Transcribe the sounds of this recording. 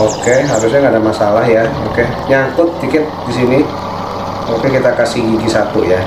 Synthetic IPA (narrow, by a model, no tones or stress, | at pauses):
okeɦaɾʊsɲaŋɡadamasalahjaoke | ɲaŋkʊt̪̚ːikɪt̪̚disini | okekit̪akasiid͡ʒisat̪uja